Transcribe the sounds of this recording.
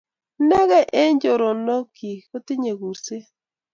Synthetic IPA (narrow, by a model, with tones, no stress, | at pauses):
nɛ˦ɣɛ˦ʔe˦ɲd͡ʒo˨ɾo˨no˦ki˨ko˦tɪ˦ɲe˨ɣu˨se˦